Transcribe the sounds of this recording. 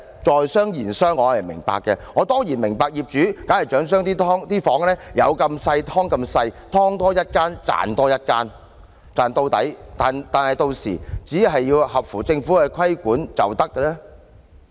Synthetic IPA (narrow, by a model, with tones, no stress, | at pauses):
t͡sɔː˨jsœː˥ŋjiː˨˩nsœː˥ŋːɔː˨˧hɐ˨˩jmɪ̰˨˩ŋpa̰ː˨kːɛ˧ŋɔː˨˧t̪ɔː˥ŋjiː˨˩nmɪ˨˩ŋpaː˧k̚jiː˨p̚t͡ʃyː˨˥kaː˨˥nhɐ˨˩jt͡ʃœː˨˥ŋs̬œː˥ŋt̪iː˥t̪ʰɔː˥ŋt̪iː˥fɔː˨˥ŋlɛː˥jɐ̰˨˧wkɐ˧msɐ˧jt̪ʰɔː˥ŋkɐ˧msɐ˧jt̪ʰɔː˥ŋt̪ɔː˥jɐ˥t̚kaː˥nt͡sa̰ː˨nt̪ɔː˥jɐ˥t̚kaː˥n | t͡saː˨nt̪o˧wt̪ɐ̰˨˥jt̪aː˨nt̪aː˨nhɐ˨˩jt̪o˧wsḭː˨˩t͡siː˨˥ɦɐ˨jːiː˧whɐ˨p̚fuː˨˩t͡sɪ˧ŋfuː˨˥kɛ˧kʰɐ˥jkuː˨˥nt͡sɐ˨wt̪ɐ˥kːɛ˧lɛː˥